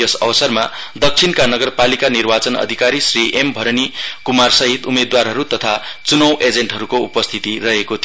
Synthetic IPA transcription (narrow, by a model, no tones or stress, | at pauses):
josʌ̰bʌsʌrmad̪ʌk̚t͡sʰinkanʌɡʌrpalikanirbat͡sʌnʌ̰d̪ʱikaɾisriʔembʱʌɾʌnikumarsʌɦit̪umed̪warɦʌɾut̪ʌt̪ʰat͡sunʌwʔed͡zeɳʈɦʌɾukoupʌst̪ʰit̪irʌɦekot̪ʰ